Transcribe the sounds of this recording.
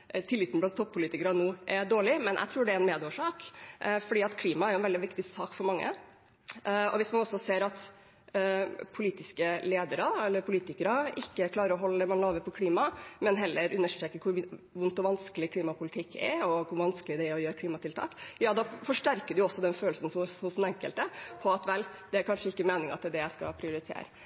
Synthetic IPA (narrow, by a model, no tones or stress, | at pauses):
t̪ʰɪlːɪt̪n̩blɑnt̪ʰːɔpʰːʊliːt̪ɪkəɾɑnuːʔɛd̪oːɭɪmɛnʔæ̰ɪt̪ʰɾuːɖɛæɛnmeːd̪oːʂɑːkfɔɖiːɑt̪kʰliːmɑɛɾjʊɛnʋɛld̪ɪʋɪkt̪ɪsɑːkfɔɾmɑŋːə̰ | ɔ̰ʋɪsmɑnɔsɔseːɾɑt̪ | pʰʊliːt̪ɪskəleːd̪əɾɑɛlːəɾpʰʊliːt̪ɪkəɾɑɪkːəkʰlɑːɾəɾɔɦɔlːəd̪ɛmɑnlɑːʋəpʰɔkʰliːmɑmɛnɦɛlːəɾʉnːəʂʈɾeːkəɾkʰʊɾʋʊnt̪ɔʋɑnskəlɪkʰliːmɑpʰʊlɪt̪ʰɪkʰːɛ̰ɔkʰʊɾʋɑnskəlɪd̪ɛæɾɔjøːɾəkʰliːmɑt̪ʰɪlt̪ʰɑ̰ːkjɑːd̪ɑːfɔʂʈæɾkəɖʉjʊɔsːɔd̪ɛnføːlsn̩sɔʊsnɛŋkəlt̪əpʰɔɑt̪ʋɛld̪̥ɛæɾkʰɑnʂəɪkːəmeːnɪŋɑ̰t̪ɛd̪ɛjæɪskɑ̰pʰɾɪʊɾɪt̪ʰḛːɾə̰